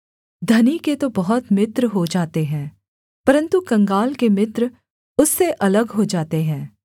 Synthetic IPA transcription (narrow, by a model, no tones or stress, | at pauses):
d̪ʱɐniket̪obɐɦɔt̪mɪt̪ɾɦod͡ʒaːt̪eɦɛ̃ː | pɐɾə̃nt̪ukɐ̃ŋɡaːlkemɪt̪ɾ | ʊsːeʔɐləɡɦod͡ʒaːt̪eɦɛ̃ː